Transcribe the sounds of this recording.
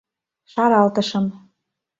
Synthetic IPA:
ʃɑɾɑlt̪ɤ̆ʃɤ̆m

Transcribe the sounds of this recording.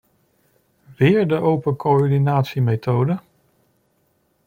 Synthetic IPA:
ʋɪːɹdəʔowpəkoɔɹdinaːtsimejtowdə

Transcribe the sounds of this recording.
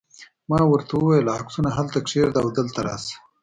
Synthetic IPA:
mɑːwəɾt̪awuwajlaːksunaɦalt̪akʂeɾd̪aːwd̪əlt̪aɾa̰ːs

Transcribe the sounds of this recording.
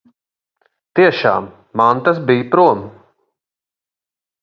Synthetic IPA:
t̪iɛʃaːmː | ant̪as̬bijpɾuɔm

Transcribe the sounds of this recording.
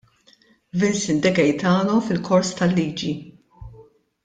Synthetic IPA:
vɛnsɪnd̪ɐɡɛjt̪ɐːnɔfɪlkʰɔɾst̪ɐlːiːd͡ʒi

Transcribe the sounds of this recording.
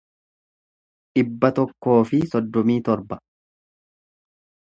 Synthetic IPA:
ᶑɪbːɐt̪ɔkːo̞ːfɪsɔd̪ːɔmiːt̪ɔɾbɐ

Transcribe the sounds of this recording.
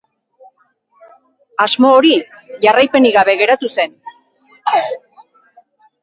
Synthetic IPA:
azmo̞ːɾi | ʝarajpe̞niɣaβe̞ɣe̞ɾat̪use̞n

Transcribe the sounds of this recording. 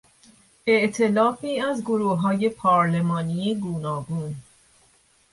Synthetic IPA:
e̞ʔt̪ʰe̞lɒːfiːæzɡoɾuːɦɒːje̞pʰɒːɾle̞mɒːniːeɡuːnɒːɡuːn

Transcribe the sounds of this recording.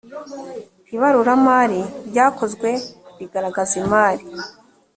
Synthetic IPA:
iβaɾuɾamaːɾiɾɟaːko̞zɡwe̞βiɡaɾaɡazimaːɾi

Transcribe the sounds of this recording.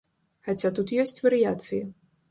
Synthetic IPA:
xat͡sʲat̪ut̪jɔsʲt͡sʲvɐɾɨjat̪sɨjɐ

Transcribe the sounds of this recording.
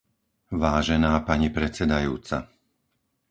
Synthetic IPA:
ʋaːʒɛnaːpaɲipɾɛt͡sɛd̪ajṵːt͡sa̰

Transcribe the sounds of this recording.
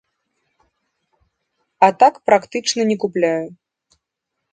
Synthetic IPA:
ɐt̪akpɾakt̪ɨt͡ʂnɐnʲɛkuplʲaju

